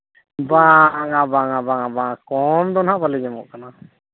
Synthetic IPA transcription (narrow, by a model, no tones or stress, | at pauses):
baŋabaŋabaŋabaŋakɔmd̪ɔnɦaʔpalɛɡɛmɔʔkana